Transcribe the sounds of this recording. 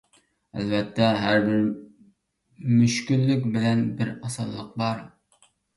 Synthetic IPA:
ɛ̰lbɛt̪ʰːɛɦæɾbɪɾ | myʃkʲylːykʲbɪlɛnbɪɾɑsɑlˠːəq̚bɑɾ

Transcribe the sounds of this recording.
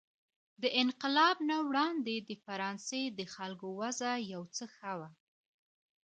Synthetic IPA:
d̪əʔɪnqɪlɑbnawɽɑnd̪ed̪əfaɾɑnsed̪əxalkowazajawt͡səxawa

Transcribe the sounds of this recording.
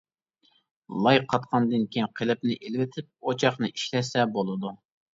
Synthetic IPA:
lˠɑjqʰɑt̪qʰɑnd̪ɨnkʲʰejinqʰelɪp̚nɪʔelwɪt̪ʰɪp̚ot͡ʃʰɑχnɨiʃlɛsɛbolˠɨd̪u

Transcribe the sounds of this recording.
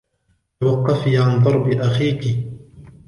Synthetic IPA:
t̪awɑqːɑfiːʕand̪ˤɑɾˤbɪʔaxiːkɪ

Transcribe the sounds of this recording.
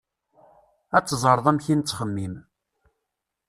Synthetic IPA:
æt͡sːzˤəɾˤəðˤæmçint͡sːχəmːim

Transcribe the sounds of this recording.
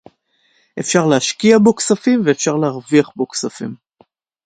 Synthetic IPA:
ʔe̞fʃaʁleaʃkiaboksafimveːfʃaʁleaʁviaχboksafḭm

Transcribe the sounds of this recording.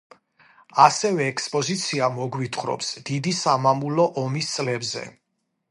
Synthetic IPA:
asɛvɛːkʰspʼɔzit̪sʰiamɔɡwit̪ʰχɾɔ̰psd̪̥id̪isamamulɔʔɔmist̪sʼlɛbzɛ̰

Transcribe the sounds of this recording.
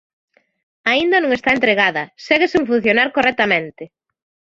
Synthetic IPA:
aind̪ɐnõŋest̪aent̪ɾeɣaðɐsɛɣesuɱfun̟θjonaɾkorɛt̪amẽnt̪ɪ

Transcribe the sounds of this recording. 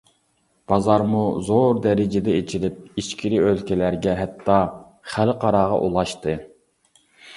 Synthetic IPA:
b̥ɑzɑɾmuzoɾd̪ɛɾɪd͡ʒɪd̪ɛet͡ʃʰiɾɪp̚iʃkʲʰiɾɪølkʲʰɛlæɾɡʲɛɦɛt̪ʰːɑ | χælqʰɑɾɑːʁɑ̰ʔulˠɑʃt̪ɨ

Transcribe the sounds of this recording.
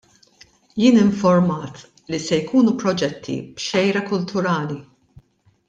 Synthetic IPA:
jɪːnɪɱfɔɾmɐːt̪ | lisɛjkuːnupɾɔd͡ʒɛt̪ʰːḭb̥ʃɛjɾɐkʊlt̪ʰʊɾɐːli

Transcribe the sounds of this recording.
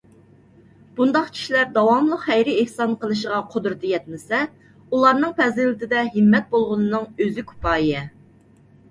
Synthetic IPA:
b̥und̪ɑqt͡ʃʰi̥ʃilæɾd̪ɑwɑmlˠəqhɛjɾɪehsɑnqʰəlˠɨʃ̬əʁɑqʰod̪ɾɨt̪ʰɨjɛt̪̚mɪsɛ | ulˠɑɾnɨŋpʰɛzɪlɪt̪ʰɪd̪ɛɦɨmːɛt̪̚bolˠʁʊnɨnɨŋøzɪkʰu̥pʰɑːjijɛ

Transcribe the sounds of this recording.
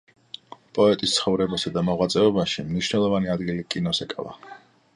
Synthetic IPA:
pʼɔɛt̪ʼist̪sχɔvɾɛbasad̪amɔʁwat̪sʼɛɔbaʃimniʃnɛlˠɔvaniad̪ɡilikʼinɔsɛkʼa̰va̰

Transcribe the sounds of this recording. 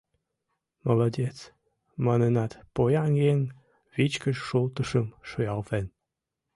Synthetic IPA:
mɑlˠod̪ʲet͡s | mɑnɤnɑt̪pojɑŋjeŋ | βit͡ɕkə̆ʃʃulˠt̪əʃəmʃojɑlˠven

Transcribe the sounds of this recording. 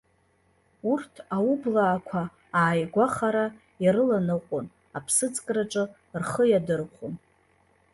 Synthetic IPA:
urtʰaublaːkʷʰa | aːjɡʷaχaɾa | jaɾɨlanɨqʷʼon | apʰsɨt͡sʼkʼraʈ͡ʂʼɨ | rχəjadɨrqʷʊn

